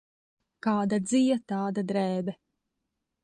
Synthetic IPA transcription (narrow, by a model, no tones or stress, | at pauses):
kaːd̪ad̪zijɐt̪aːd̪ad̪ɾɛːbɛ